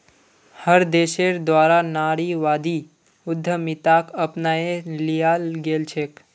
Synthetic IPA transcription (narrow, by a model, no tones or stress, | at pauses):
həɾd̪eːʃeɾd̪ʋaːɾanaːɾiʋaːd̪i | ʊd̪ʱːəmit̪akəpnaːelijalɡeːlt͡ʃʰek